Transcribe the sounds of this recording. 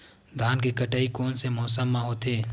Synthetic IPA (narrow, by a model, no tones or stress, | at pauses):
d̪ʱaːnkekəʈaːikoːnsemɔːs̬əmːãɦoːt̪eː